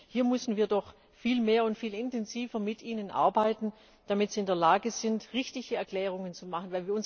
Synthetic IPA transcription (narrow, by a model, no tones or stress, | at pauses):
hiːɐmʏsn̩viːɐdɔχ | fiːlmeːɐʊntfiːlɪntɛnziːfɐmɪtʔiːnənʔa̰ɐbaɪtn̩ | d̥amɪtz̥iːɪndeːɐlaːɡəz̥ɪntʁɪçtɪçəɛɐkl̥ɛːʁ̞ʊŋənt͡sumaχən̩vaɪlviːɐʊn